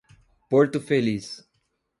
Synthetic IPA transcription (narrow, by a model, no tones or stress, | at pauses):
poɾt̪ʊfelis